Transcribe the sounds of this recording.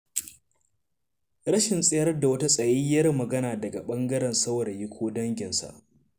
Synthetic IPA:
ɾɐ˦ʃɪ˨nsʼe˦jɐ˦rda˨wɐ˦ta˦sʼɐ˨jiː˦jɐ˦rmɐ˨ɡɐ˦naː˨dɐ˨ɡa˨ɓɐ˦ŋɡɐ˦ɾɛ˨nsɐ˦wɾɐ˨jɪ˦kʷʰoː˦dɐ˦ŋɡʲɪ˨nsa̰˨ʔ

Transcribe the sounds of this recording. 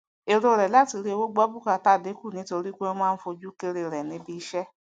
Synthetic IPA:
e˧ɾo˧ɾɛ˨la˦ti˧ɾe˦e˧wo˦ɡ͡bɔ˦bu˦ka˧˨ta˦˨de˨˦ku˦˨nĩ˨˦to˧ɾi˦k͡pe˦o˦mãː˦˧n̩˦fo˧d͡ʒu˦ke˧ɾe˧ɾɛ˨nĩ˨˦bi˧˦ʃɛ˦

